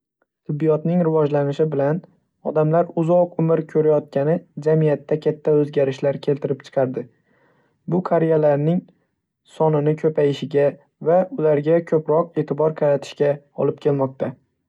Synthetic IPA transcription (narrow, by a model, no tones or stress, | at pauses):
t̪ʰɪbːijɒt̪nɪŋɾɪvɒd͡ʒlanɪʃɪbɪlan | ɒ̰d̪amlaɾʊzɒqʊmɪɾkʲʰɵɾajɒt̪̚kʲanɪd͡ʒamijat̪ʰːakʲʰat̪ʰːaɵzɡʲaɾɪʃlaɾkʲʰe̞lt̪ɪɾɪpt͡ʃʰɨ̥qʰɑɾd̪ɪ | bʊkʰaɾijalaɾnɪŋ | sɒnɪnɪkʲʰɵpʰajɪʃɪɡʲa | vaʊlaɾɡʲakʲʰɵpɾɒqe̞ːt̪ʰɪbɒɾqʰɑɾat̪ʰɪ̥ʃkʲa | ɒ̰lˠɪp̚kʲʰe̞lmɒq̚t̪ʰa